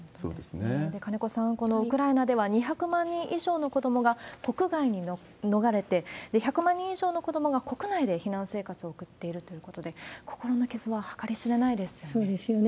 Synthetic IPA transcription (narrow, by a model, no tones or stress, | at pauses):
so̰ːd̪esɨned̪e̞kane̞ko̞sãŋko̞no̞ɯkɯ̟ɾainad̪e̞βaɲ̟içakɯ̟mãɲ̟ːĩɰ̃ʔiʑo̞ːno̞ko̞d̪o̞mo̞ɡako̞kɯ̟ɡaiɲ̟i | no̞ɡaɾe̞t̪e̞d̪̥e̞çakɯ̟mãɲ̟ːĩiʑo̞ːno̞ko̞d̪o̞mo̞ɡako̞kɯ̟naid̪e̞çinãɰ̃se̞ːkat͡sɨo̞ːkɯ̟t̪ːe̞iɾɯ̟t̪o̞jɯ̟ko̞t̪o̞d̪e̞kʰo̞̥ko̞ɾo̞no̞kʲizɨβahḁkaɾʲiɕiɾe̞naid̪e̞sɨ̥josoːd̪esɨjon